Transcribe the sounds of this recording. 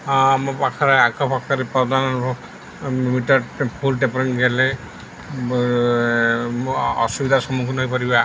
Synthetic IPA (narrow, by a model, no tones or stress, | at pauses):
mpakʰaɾeakɔpʰakʰaɾipɾɔd̪anɔ | mitɔpʰulʈepɾiŋɡɛlɛ | ɔ̰subid̪ʱasɔmukʰunjpɔɾiba